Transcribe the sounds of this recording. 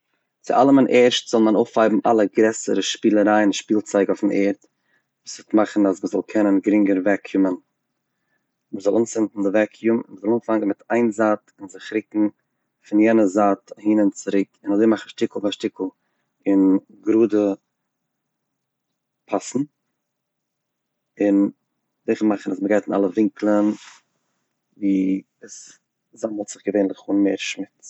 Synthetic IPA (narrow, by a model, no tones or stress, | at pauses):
t͡sɪʔa̰lˠəmanʔɛɾʃtz̥ɔlˠmanofhaɪbm̩ʔa̰lˠəɡɾɛsə̰ɾəʃpiːlˠəɾaɪnʃpiːlˠt͡saɪɡafn̩ɛːɾt | vuːstmaχn̩asməzɔlˠkʰɛnənɡəɾɪŋɡəɾvɛkʰjumən | məzɔlˠunsɪntn̩dɪvɛkʰjumɪ̰nməzɔlˠuːnfaŋɡn̩mɪtʰaɪnzaːtɪnzɪχɾɪkŋ̩ | fɪnjɛnəzaːthiːnənt͡sɪɾɪkɪnazeɪmaχn̩ʃtɪkl̩ˠvaʃtɪkl̩ˠ | ɪn | ɡɾuːdə | pʰasn̩ | ɪn | dɪχmaχən̩asməɡaɪtɪna̰lˠəvɪŋklˠən | viː | əs | zamhɔlˠtz̥ɪχɡəveɪnlˠɪχuːnmeɪɾʃmɪt͡s